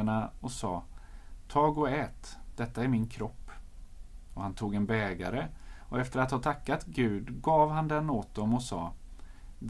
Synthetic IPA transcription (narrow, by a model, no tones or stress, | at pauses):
aɳaɔsɑːt̪ʰɑːɡɔɛːt̪d̪̥ɛt̪ːaæɾmɪnkʰɾɔpː | ɔhant̪ʰuːɡɛnbɛːɡa̰ɾəɔɛft̪əɾat̪hɑːt̪ʰakːat̪ɡʉ̟ːd̪ɡɑːvhand̪ɛnːoːt̪̚d̪ɔmɔsɑː | d̪